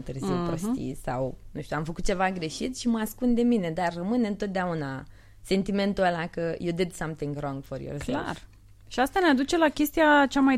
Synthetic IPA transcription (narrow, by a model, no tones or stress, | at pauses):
t̪ɨrziwpost̪ḭsa̰wnũʃt̪ʲuamfəkut̪̚t͡ʃe̞vaɡɾe̞ʃit̪ʃiməaskund̪e̞mine̞d̪arːəmɨnɨnt̪ot̪̚d̪eauna | se̞nt̪ime̞nt̪uəlakəjewd̪ed̪samt̪ĩŋɡrõŋɡfoɾjo̰rzla | ʃiast̪anead̪ut͡ʃe̞lakʲe̞st̪ijat͡ʃama